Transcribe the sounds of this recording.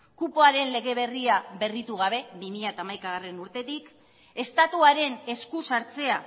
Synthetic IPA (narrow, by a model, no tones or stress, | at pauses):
kupoaɾe̞nle̞ɣ̞e̞β̞e̞riaβe̞rit̪uɣaβ̞e̞βimiʎat̪aːmajkaɣ̞are̞nuɾt̪e̞t̪ik | e̞st̪at̪uaɾe̞ne̞skusaɾt͡se̞a